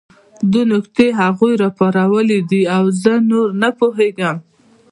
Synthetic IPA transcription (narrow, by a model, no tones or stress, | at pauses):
d̪unʊkt̪eɦaɣujɾɑpaɾawəlid̪iawzənoɾnapoɦeɡəm